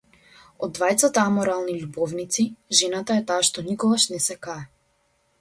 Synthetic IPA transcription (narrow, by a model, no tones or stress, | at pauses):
ɔd̪ːvajt̪sat̪aamɔɾalˠniʎubɔvnit̪siʒɛnat̪aɛt̪aːʃt̪ɔnikɔɡaʃnɛsɛkaɛ